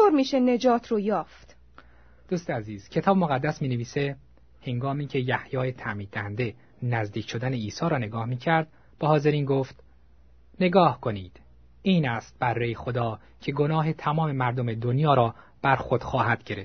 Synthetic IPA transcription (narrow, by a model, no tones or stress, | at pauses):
oːɾmiːʃened͡ʒɒːt̪ʰrojɒːft̪ | d̪̥uːst̪eæziːz̥cʰe̞t̪ʰɒːbemoɣæd̪ːæsmiːneviːse | he̞ŋɡɒːmiːcʰe̞jæhjɒːjet̪ʰæmiːd̪d̪æhænd̪e̞ | næzd̪iːcʰʃo̞d̪æneiːsɒːɾɒːne̞ɡɒːhmiːcʰæɾd̪̥ | b̥ehɒːzeɾiːnɡoːft̪ | ne̞ɡɒːhkʰo̞niːd̪̥ | iːnæst̪̚b̥ærːejexod̪ɒː | cʰe̞ɡo̞nɒːɦe̞t̪ʰæmɒːme̞mæɾd̪ome̞d̪onjɒːɾɒːb̥æɾxo̞d̪̥xɒːɦæd̪̥ɟe̞ɾef